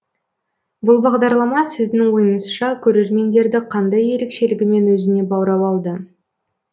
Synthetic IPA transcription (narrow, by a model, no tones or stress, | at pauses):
bʊlˠbɑʁd̪ɑɾlˠɑmɑsɪzd̪ɪŋwo̞jənəsʃɑkʲʰɵɾe̞ɾme̞nd̪e̞ɾd̪ɪqʰɑnd̪ɑje̞ɾe̞kʃe̞lɪɡʲɪme̞nwɵzɪne̞bɑwɾɑwɑlˠd̪ə